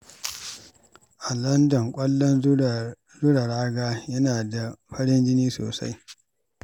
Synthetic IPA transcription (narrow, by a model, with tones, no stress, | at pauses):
ʔa˨lɐ˦ndɐ˨ŋkʷʼɐ˦lːɔ˦n | zʊ˦ɽa˨ɽaː˦ɡaː˦jɐ˦naː˨da˨ɸɐ˦ɽɪ˦nd͡ʒɪ˦niː˦so̰ː˨sa̰˦j